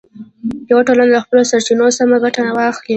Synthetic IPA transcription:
jawaʈolanad̪əxpəlosaɾt͡ʃinosamaɡaʈanawɑxli

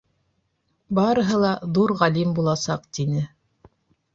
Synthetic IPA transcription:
bɑɾɤ̆ɦɤ̆lˠɑðuɾʁælimbulˠɑsɑqt̪inɘ

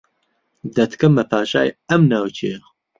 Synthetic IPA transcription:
d̪ɐt̪ʰkʰɐmːɐpʰaːʃaːjɐmnaːwt͡ʃʰex

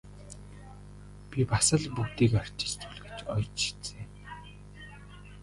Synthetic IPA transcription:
pʲipasə̆ɮpukt̪iːkɔr̥ʲt͡ɕ̪ĭ̥t͡ɕt̪ʰuɮɡĕ̥t͡ɕɔjt͡ɕʰi̥t͡seː

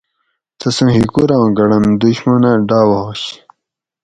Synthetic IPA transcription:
t̪ɐsɐ̃ɦikuɾãːɡɐɽɐnd̪uɕmɐneɖaːwɐɦoɕ

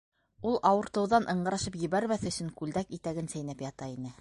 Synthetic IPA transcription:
ulˠʔɑwɤ̆ɾt̪ɤ̆wðɑnʔɤ̆ɴɢɤ̆ɾɑʃɤpjɘ̆βæɾmæθɵ̆sɵŋkʉld̪ækit̪æɡɘnsæjnæpjɑt̪ɑinɘ

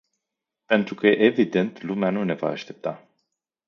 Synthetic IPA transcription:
pe̞nt̪ɾukəjeʔevid̪e̞nt̪lumeanune̞va̰ːʃt̪e̞p̚t̪a

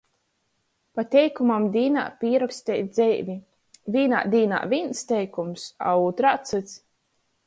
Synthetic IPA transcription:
pat̪ʲɛjkumamd̪ʲiːna̰ːpʲiːɾɔkst̪ʲɛjd̪zɛjvʲi | vʲiːna̰ːd̪ʲiːna̰ːvʲinst̪ʲɛjkumsa̰uːt̪ɾat̪sɨt̪s

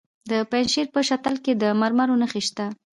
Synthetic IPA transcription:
d̪əpanʃeɾpəʃat̪alked̪əmaɾmaɾonəxeʃt̪a

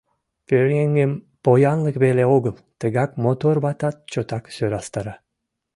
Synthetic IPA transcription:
pʲøɾŋeŋɡem | pojɑnlˠɯkbelʲeoɡɯlˠt̪ɨɡɑkmot̪oɾbɑt̪ɑt̪̚t͡ʃot̪ɑksøɾɑst̪ɑɾa

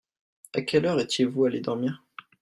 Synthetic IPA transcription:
akʲɛlœʁɛt̪jevualed̪ɔʁmiːʁ

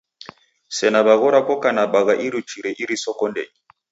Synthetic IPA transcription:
sɛnabaɣɔɾakɔkanabaɣaʔiɾut͡ʃiɾɛʔiɾisɔkɔndɛ̰i

